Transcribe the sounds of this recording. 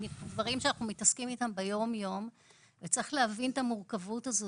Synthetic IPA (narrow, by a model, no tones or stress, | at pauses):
nekuvaʁimʃeanaχnumitaskimitambejo̞mjo̞m | vet͡sʁiχleavintamuʁkavuthazo